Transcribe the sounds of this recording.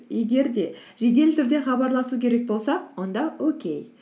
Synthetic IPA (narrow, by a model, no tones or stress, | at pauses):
je̞ɡʲe̞ɾd̪e̞ʒe̞ɡ̪ʲe̞lt̪ʰʏɾd̪e̞χɑbɑɾlˠɑsukʲʰe̞ɾe̞k̚bo̞lˠsɑwo̞nd̪ɑwɵkʲe̞̰j